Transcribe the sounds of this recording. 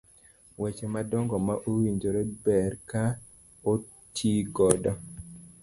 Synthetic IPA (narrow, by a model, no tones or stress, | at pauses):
wɛt͡ʃemadɔŋɡɔmaʔowiɲd͡ʒoɾebɛɾka | o | tʰiɡɔdɔ